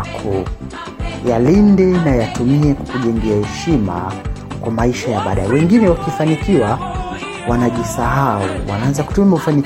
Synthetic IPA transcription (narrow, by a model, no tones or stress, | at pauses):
kʰu | jalindɛnajatumiɛkukuʄɛŋɡɛahɛʃima̰kwamaiʃajaɓaɗaɛwɛŋɡinɛwakifanikiwa | wanaʄisaɦaṵwa̰naanzaku̥tumimufani